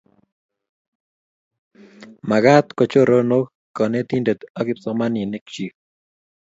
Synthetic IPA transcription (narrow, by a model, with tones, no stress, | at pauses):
ma˨ɣa˦t̪ko˨t͡ʃo˦˨ɾo˦no˦k | kɔ˨ne˦t̪i˦nde˨t̪a˦kɪ˦p̚sɔ˨ma˦ni˨ne˦kt͡ʃi˨